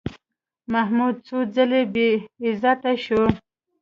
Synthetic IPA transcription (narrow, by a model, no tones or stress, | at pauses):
mahmud̪̚t͡sud͡zəlebeɪzat̪aʃo